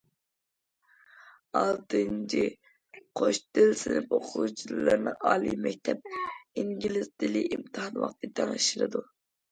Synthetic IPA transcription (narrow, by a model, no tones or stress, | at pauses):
ɑlˠt̪ʰɨnt͡ʃʰi | qʰoʃd̪ɪlsɪnɪp̚oqʰut͡ʃʰilˠɨɾnɨɑːlˠimɛk̚ʲt̪ʰɛp̚iŋɡʲilɪsd̪ɪliʔimt̪ʰɨhɑnwɑ̰χt̪ɨt̪ʰɑŋɨʃiɾɨd̪u